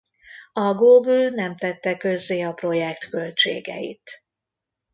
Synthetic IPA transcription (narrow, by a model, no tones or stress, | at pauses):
ɒɡoːɡylnɛmt̪ɛt̪ːɛkø̞zːeːɒpro̞jɛkt̪kø̞lt͡ʃḛːɡɛ̰jḭt̪